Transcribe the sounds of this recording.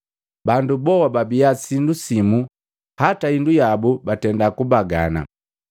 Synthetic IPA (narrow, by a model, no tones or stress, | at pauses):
bandubɔwababiasindusimu | hataindujabubatɛndakubaɡa̰na̰